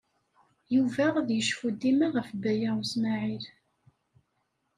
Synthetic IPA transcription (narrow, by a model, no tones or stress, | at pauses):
juvæʁaðjəʃfud̪ːimaʁəfbæjaʁusmaʕil